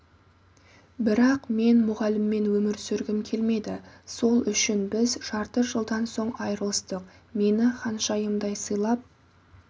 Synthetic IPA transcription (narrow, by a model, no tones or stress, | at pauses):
bɪɾɑqme̞nmʊʁɑlɪmːe̞nwɵmɪɾsʏɾɡʲɪmkʲʰe̞lme̞d̪ɪso̞lˠʏʃɪnbɪzʒɑɾt̪əʒəlˠd̪ɑnso̞ɴɑjɾəlˠəst̪əqme̞nɪqʰɑnʃɑjəmd̪ɑjsəjlˠɑp̚